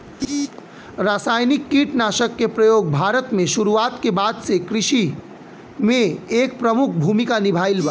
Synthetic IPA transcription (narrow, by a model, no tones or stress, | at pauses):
ɾasajnikːiʈnasəkːepɾəjoɡ̚bʱaɾət̪meʃuɾuat̪kebad̪sekɾisi | meːk̚pɾəmukʰbʱumikanibʱajlba